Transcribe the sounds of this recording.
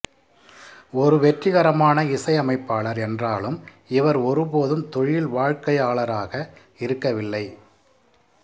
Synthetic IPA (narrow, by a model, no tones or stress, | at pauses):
ɔɾɯʋɛʈrɪɣɐɾɐmaːnɐɪsɐɪɐmɐɪpːaːɭɐɾɛndraːlɯm | ɪʋɐɾɔɾɯpoːðɯmt̪ɔɻjɪlʋaːɻkɐjaːɭɐɾaːɣɐ | ɪɾɯkːɐʋɪlːɐɪ